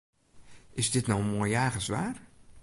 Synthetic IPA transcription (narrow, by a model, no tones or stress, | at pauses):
ɪsdɪtnɔwənmojjaːɣəsʋaːr